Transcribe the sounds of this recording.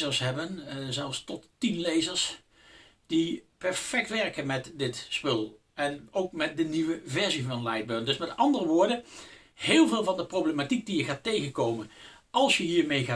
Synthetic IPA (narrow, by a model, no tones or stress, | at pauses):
əɹsɦɛbənzɛlˠfstɔttinlejzəɹs | d̥ipɛɹfɛk̚tʋɛɹkənmɛtdɪtspɵlˠ | ɛnowkmɛt̚dəniʋəvɛɹzivɑnlajd̚bøɹndɵsmɛtɑndərəʋʊːɹdə | hɪːlˠvɪːlˠvɑndəprowblematik̚dijəχaːtejɣənkowmən | ɑlˠsjəɦiːɹmejχaː